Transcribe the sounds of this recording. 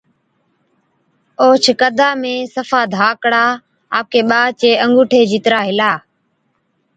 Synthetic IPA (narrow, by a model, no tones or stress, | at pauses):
oːt͡ʃʰəkəd̪ʱaːmẽːsəfaːd̪ʱaːkɽaː | aːp̚keːɓaːt͡ʃeːʔəŋɡuːʈʰeːd͡ʒiːt̪ɾaːɦɪlaː